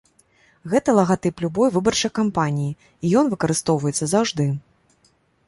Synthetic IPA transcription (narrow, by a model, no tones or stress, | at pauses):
ɣɛt̪ɐlˠɐɣat̪ɨplʲubɔjvɨbɐrt͡ʂɐjkampanʲiji | ijɔnvɨkɐɾɨst̪ɔwvɐjɛt̪sːɐzawʐd̪ɨ